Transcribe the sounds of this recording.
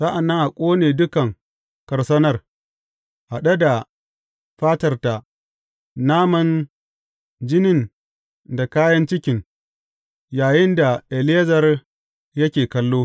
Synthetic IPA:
sa˦ʔa˨nːɐ˦ŋʔa˨kʷʼoː˦neː˨dʊ˦kɐ˨ŋ | kɐ˨rsɐ˦nɐ˦r | ʔa˨ɗɐ˦da˨ | ɸaː˦tɐ˦rta˨ | naː˦mɐ˦n | d͡ʒɪ˦nɪ˦˨n | da˨kaː˦jɐ˦nt͡ʃɪ˦kʲɪ˨ŋ | jaː˨jɪ˦nda˨ʔɛ˨leː˦zɐ˨r | jɐ˦kʲeː˨kɐ˦lːoː˦

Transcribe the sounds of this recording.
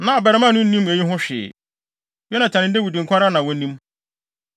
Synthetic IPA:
nã˨bɛ˨ɾɪ˨˦mã˦˨nʊ̃˦n̩˦nĩ˦m˨e˨ɲi˦ɦʊ̃˦ɕᶣɪ̰˨˦ | jɛ˦nã˨t͡ɕʰɛ˨nɪ̃˨n̩˦de˦wi˨dĩ˨ŋ˨kʰʷa˦ɾa˦nã˨wɔ˦nĩ˦m

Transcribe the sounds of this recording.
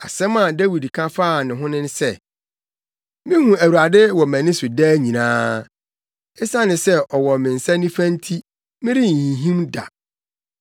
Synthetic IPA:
a˨sɛ̃˦mã˨dæ˦wi˨dkʰã˦faː˦˨nɪ̃˨ɦʊ̃˦nɪ̃˦n˦sɛ˦ | mɪ̃˦hũ˨æ˨wu˨ɾa˨dɪ˦wɔ˨mæ̃˨nɪ̃˦sʊ˨dɛː˦ɲĩ˨nãː˦ | ɛ˦sa˦nɪ̃˨sɛ˦ɔ˨wɔ˨mɪ̃˨n̩˨sã˦nĩ˦fæ̃˦n̩˦tʰi˦ | mɪ̃˦ɾi˦n̩˨hĩ˨ɦĩ˦mda̰˨

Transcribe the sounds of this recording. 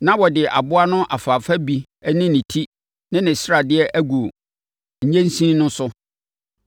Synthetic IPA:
nã˦wɔ˨dɪ˨ʔa̰˨bʊ˦a˦nʊ̃˦ʔa˨faː˨fa˦bi˨ | ɛ˦nɪ̃˦nɪ̃˨tʰi˦ | nɪ̃˦nɪ̃˨sɪ˦ɾa˨dɪ˦ɛ˦ʔæ˦ɡu˨o˨ | ɲ̩˦ɲẽ˦n̩˦sĩ˦nʊ̃˦sʊ˦

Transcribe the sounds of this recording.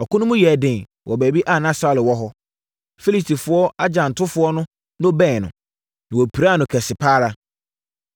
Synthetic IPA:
ɔ˨kʰʊ̃˦nʊ̃˦mʊ̃˦jɛ˨dɪ̃˨ | wʔɔ˨bæ˨bi˦ʔa˦˨nã˦sa˨lɪ˨wɔ˦ɦɔ˦ | fe˦li˦stʰi˨fʊ˨˦ɔ˦a˦d͡ʑã˨n̩˨tʰʊ˦fʊ˨˦ɔ˦nʊ̃˦ | nʊ̃˦bɛ̃ː˦˨nʊ̰̃˨ | nã˨ɔ˨pʰi˨ɾa˦˨nʊ̃˨kʰɛ˨sɪ˨pʰaː˦ɾa˨˦

